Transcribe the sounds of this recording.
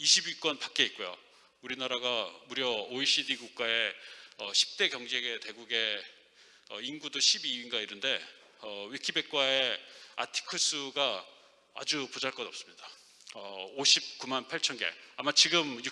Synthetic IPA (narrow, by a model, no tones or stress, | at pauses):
iɕʰibik͈ʌnpak͈e̞it̚k͈ojo̰ | uɾinaɾaɡamuɾjʌoiɕ͈idiɡuk̚k͈ae̞ʌɕʰi̥p̚t͈e̞kjʌŋd͡ʑe̞ɡe̞te̞ɡuɡe̞ | ʌ̰inɡudoɕʰibiinɡaiɾɯnde̞ | ʌwikʰibe̞k̚k͈wae̞a̰tʰi̥kʰɯs͈ʰɯɡa | a̰d͡ʑupud͡ʑaɭk͈ʌdʌp̚s͈ɯ̥mɲid̥a | ʌoɕʰip̚k͈umanpʰaɭt͡ɕʰʌnɡe̞̰amat͡ɕiɡɯmj